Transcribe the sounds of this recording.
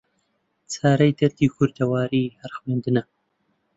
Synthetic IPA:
t͡sʰaːɾɐjd̪ɐɾt̪iːkʰʊɾd̪ɐwaːɾiːhɐɾxweːnd̪ɨnɐ

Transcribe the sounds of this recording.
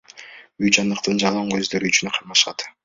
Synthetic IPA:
yjd͡ʒɑnd̪ɯqt̪ɯnd͡ʒɑlˠɑɴø̞zd̪ø̞ɾyːt͡ʃynqʰɑɾmɑʃɑt̪

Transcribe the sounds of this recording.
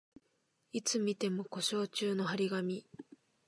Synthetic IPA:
it͡sɨmʲit̪e̞mo̞ko̞ɕo̞ːt͡ɕɨːno̞ɦaɾʲiɡamʲi

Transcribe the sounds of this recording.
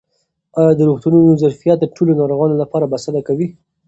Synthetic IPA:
ɑjɑd̪əɾuxt̪ununozaɾfijat̪̚d̪əʈʰolonɑɾoɣɑnolapɑɾabasad̪akawi

